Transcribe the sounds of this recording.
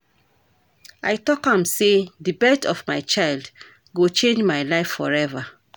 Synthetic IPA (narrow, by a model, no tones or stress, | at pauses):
ajtɔkãmseðɨbɛtɔvmaɪt͡ʃaɪld | ɡot͡ʃẽnd͡ʒmajlaɪfːɔ̰ɹɛva